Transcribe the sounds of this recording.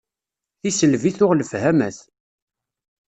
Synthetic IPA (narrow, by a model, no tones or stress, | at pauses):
θisəlviθʊʁləfhæmæθ